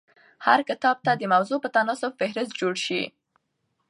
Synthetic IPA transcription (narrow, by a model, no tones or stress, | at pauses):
ha̰ɾkɪt̪ɑb̚t̪ad̪əmawzopət̪anɑsʊbfɪhɾɪst̪̚d͡ʒoɽʃḭ